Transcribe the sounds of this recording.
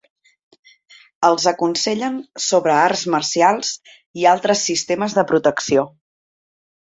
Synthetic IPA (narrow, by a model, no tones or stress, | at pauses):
əlˠzəkunsɛʎənsoβɾəarzmərsialˠz̥ | ialˠt̪ɾəsːist̪eməzðəpɾut̪əksio